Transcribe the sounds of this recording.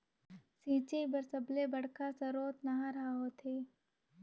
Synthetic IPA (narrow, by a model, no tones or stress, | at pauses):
sĩːt͡ʃebəɾsəblebɐɽ̤kasɐɾoːt̪nɐɦãɾɐaɦot̪ʰeː